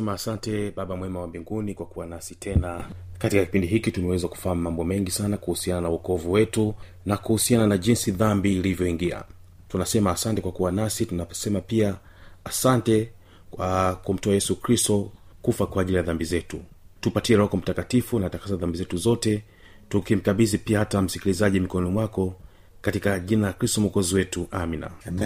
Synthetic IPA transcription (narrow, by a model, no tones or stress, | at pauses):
ɛmaːsantɛɓaɓamwɛmawambiŋɡunikwakuwanasitʰɛnakatikaki̥pindiɦikitunawɛzaku̥fammambɔmɛŋɡisanakuhusiananauɔkɔvuwɛtu | nakuhusiananaʄinsiðambiːlivjɔiŋɡia̰ | tunasɛmaːsantɛkwakuwanasitunasɛmapiaː | santɛ | kwakum̩tɔajɛsukɾistɔ | kufakwaːʄilijaðambizɛtu | tupatiɛɾɔkɔm̩takatifunatakasaðambizɛtuzɔtɛ | tukim̩kaɓizipiahatam̩sikilizaʄimikɔɔnɔmwakɔ | katikaʄinalakɾistɔmukɔziwɛtuʔamina̰